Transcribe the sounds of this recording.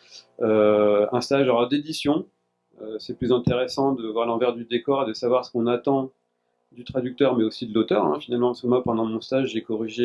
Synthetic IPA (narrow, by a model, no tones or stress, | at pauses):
øɛ̰̃st̪aʒaʁd̪ed̪isjɔ̃ | øsɛplyzɛ̃t̪eʁesɑ̃d̪əvwaʁlɑ̃vɛʁd̪yd̪ekɔʁed̪əsavwaʁsə̥kɔ̃nat̪ɑ̃ | d̪yt̪χad̪yk̚t̪œʁmɛosid̪əlot̪œʁɛ̰̃finalmɑ̃askəmwapɑ̃d̪ɑ̃mɔ̃st̪aʒːekɔʁiʒe